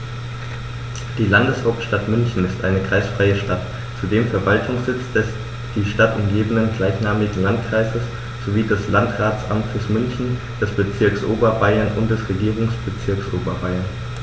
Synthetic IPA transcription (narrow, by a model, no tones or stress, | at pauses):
d̥iːlandəshaʊp̚tʃtatmʏnçn̩ɪstʔa̰ɪnəkʁ̥aɪsfʁ̥aɪəʃtat | t͡sudeːmfɛɐvaltʰʊŋsz̥ɪt͡stɛs | d̥iːʃtatʊmɡeːbənənɡlaɪçnaːmɪɡŋ̩lantkʁ̥aɪzəs | z̥oviːdɛslantʁaːt͡sʔamt͡səsmʏnçn̩ | d̥ɛsb̥ət͡sɪɐksʔoːbɐbaɪɐnʔʊ̰ntd̥ɛsʁeɡiːʁ̞ʊŋsb̥ət͡sɪɐksʔoːbɐbaɪɐn